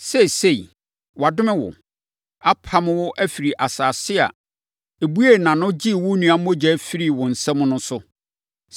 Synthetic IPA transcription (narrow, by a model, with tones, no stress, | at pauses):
sɛ˦˨se˦˨i˨ | wa˨dʊ˦mɪ̃˦wʊ̰˨ | a˦pʰa˦mɪ̃˦wʊ˦ʔæ˦fi˨ɾi˨ʔa˨saː˨sɪ˦a̰˨ | e˨bu˦e˦˨nã˨nʊ̃˦d͡ʑi˦˨wʊ˦nĩ˨ã˨˦m˦o˦d͡ʑɛ˦fi˦ɾi˦˨wʊ̃˨n̩˨sɛ̃˦mʊ̃˦nʊ̃˦sʊ˦